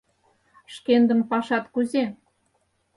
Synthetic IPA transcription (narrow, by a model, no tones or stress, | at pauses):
ʃkend̪ə̆mpɑʃɑt̪kuze